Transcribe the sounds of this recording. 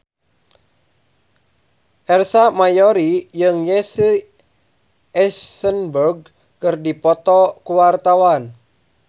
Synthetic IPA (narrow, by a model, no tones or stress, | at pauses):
ʔɛrsamajɔɾijɨŋjɛsə | ʔɛsənbərɡ̚ | kɨrdipɔt̪ɔkuwart̪awan